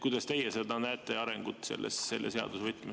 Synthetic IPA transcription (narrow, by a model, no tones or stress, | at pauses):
kujd̪ɑst̪e̞jese̞d̪ɑnæːt̪ːˑeɑɾeŋɡ̥ut̪ːˑsḛlːesse̞lːʔese̞ɑ̰d̪̥usvɤtt̪ːˑme